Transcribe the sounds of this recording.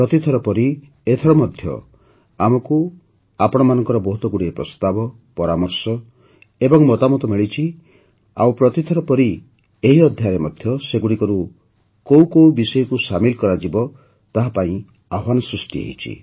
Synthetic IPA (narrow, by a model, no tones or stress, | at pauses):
pɾɔt̪it̪ʰɔɾɔpɔɾi | et̪ʰɔɽɔmɔd̪ʱjɔ̰ | amɔku | apɔɽ̃ɔmanɔŋkɔɾɔbɔɦut̪ɔɡuɽiepɾɔst̪abɔ | pɔɾamɔɾsɔ | ebɔŋmɔt̪amɔt̪ɔmiɭit͡ʃʰi | a̰wpɾɔt̪it̪ʰɔɾɔpɔɾi | eɦiɔd̪ʱjaɾemɔd̪ʱjɔseɡuɽikɔɾu | kowkowbisɔjɔkusamilkɔɾad͡ʒibɔ | t̪aɦapaĩ | aɦwanɔsɾusʈiḛɦit͡ʃʰḭ